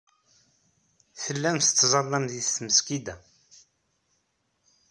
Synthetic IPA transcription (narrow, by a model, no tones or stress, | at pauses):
θəlːæmθt̪ːzˤɑlːɑmðiθθməskid̪æ